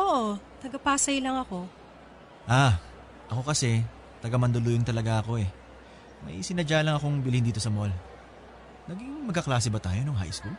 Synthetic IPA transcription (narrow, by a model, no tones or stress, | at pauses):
ʔoʔot̪ɐɡɐpaːsɐjlɐŋɐko̞ | ʔa | ʔɐko̞kɐsɛ | t̪ɐɡɐmɐnd̪olujɐŋt̪ɐlɐɡaʔɐko̞ɛ | mɐ̰jsɪnɐd͡ʒaːlɐŋɐko̞ŋbɪlɪnd̪iːt̪o̞sɐmol | nɐɡiŋmɐɡ̚kːɐklaːsɛbɐt̪a̰ːjonoɦa̰jskul